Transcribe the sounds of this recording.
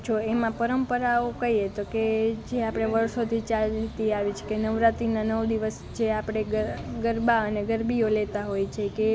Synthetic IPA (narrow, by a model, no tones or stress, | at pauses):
t͡ʃʰoemãpəɾəmpəɾaokəiet̪oked͡ʒeapɽ̃eʋəɾsot̪ʰit͡ʃalt̪iaʋit͡ʃʰe̥kenəʋɾat̪inanəʋd̪iʋəs | d͡ʒeapɽ̃eɡəɡəɾbaəneɡəɾbiolet̪aɦojt͡ʃʰeke